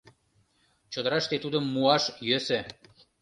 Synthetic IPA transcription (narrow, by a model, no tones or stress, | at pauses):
t͡ɕod̪əɾɑʃt̪et̪ud̪əmːuɑʃjøsĕ